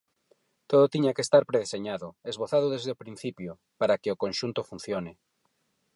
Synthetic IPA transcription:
t̪oðot̪iɲakest̪aɾpɾeðeseɲaðʊezβoθaðoðezðeopɾĩn̟θipjo | paɾakeokonʃunt̪ofun̟θjonɪ

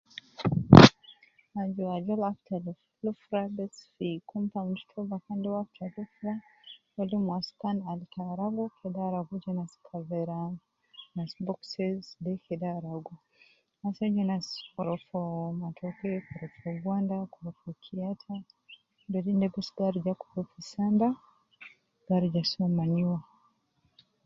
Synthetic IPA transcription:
ad͡ʒuwad͡ʒɔlaftal | lufɾabɛsfikumpam̩tu̥tʰɔbakandɛwaftalufɾawɛlimwaskanalitʰaɾaɡɔkʰɛdaɾaɡud͡ʒinaskʰavɛɾa | nasbɔksɛzdɛkʰɛdaɾaɡɔ | nasad͡ʒɛnaskɔɾɔfɔmatʰɔkɛkɔɾɔfɔɡwandakɔɾɔfɔkʰiatʰa | ndɔdindɛbɛsɡaɾd͡ʒakɔ̥ɾɔfisanda | ɡaɾd͡ʒasɔmaniwa

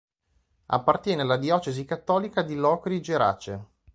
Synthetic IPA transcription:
a̰pːart̪jɛːnealːad̪iɔːt͡ʃezikat̪ːɔːlikad̪ilɔːkɾid͡ʒeɾa̰ːt͡ʃe

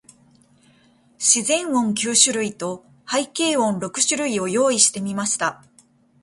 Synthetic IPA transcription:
ɕizẽ̞ɰ̃õ̞ŋk̬ʲɨːɕɨɾɯ̟it̪o̞ | haike̞ːõ̞nɾo̞kɯ̟̥ɕɨɾɯ̟io̞jo̞ːiɕi̥t̪e̞mʲimaɕi̥t̪a

